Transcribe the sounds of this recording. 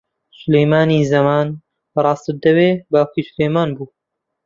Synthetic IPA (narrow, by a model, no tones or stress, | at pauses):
sʊlejmaːniːzɐmaːn | brˤɑːst̪ɨd̪ɐweːbaːkiːsʊlejmaːnbuː